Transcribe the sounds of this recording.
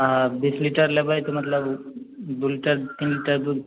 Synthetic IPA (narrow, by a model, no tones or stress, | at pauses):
abiːsliʈəɾlebʱajt̪omɐt̪ləbd̪uliʈəɾt̪iːnliʈəɾd̪u